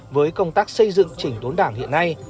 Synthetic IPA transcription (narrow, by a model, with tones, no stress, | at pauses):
vəː˨˦jkə˧wŋ͡mt̪aː˦˥k̚sə˧jzɨ̰˧˨ŋt͡ɕï˧˩ŋ̟t̪o˨˦nɗaː˧˩ŋhḭ˧˨ənːa˧j